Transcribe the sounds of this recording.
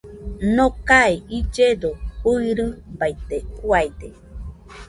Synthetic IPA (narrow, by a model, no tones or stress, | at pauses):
nõkaiid͡ʒedouiɾɨbajt̪ekuajd̪e